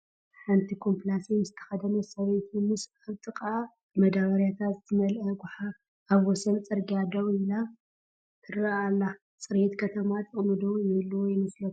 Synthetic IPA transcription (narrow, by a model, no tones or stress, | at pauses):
ħant̪ʰikʰo̞mplasimɨzɨt̪ʰɐ̥xɐd̪ɐnosɐβet̪ʰumɨsaβt̪ʼɨkʼa | mɐd̪aβɐɾjat̪ʰat̪zɨt̪ʰɨmɐlʔɐɡʊħa | aβwɔsɐnt͡sʼɨɾɡjad̪ɐβɪla | t̪ʰɨraalːa | t͡sʼɨɾet̪kʰɐt̪ʰɐmat̪ʼɨχʼmɨd̪owjɛlːujɪmɨslot̪